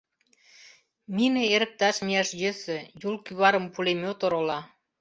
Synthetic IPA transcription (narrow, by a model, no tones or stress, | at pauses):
minĕeɾə̆k̚t̪ɑʃmijɑʃjɘ̆sɘ̆julkyβɑɾəmpulemʲot̪oɾolɑ